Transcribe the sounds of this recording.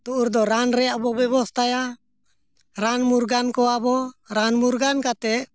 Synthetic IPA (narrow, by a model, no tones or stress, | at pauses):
t̪uʔuɾd̪ɔɾanɾɛjaʔbɔbɛbɔst̪ʰaja | ɾanmuɾɡankɔabɔɾanmuɾɡankat̪ɛ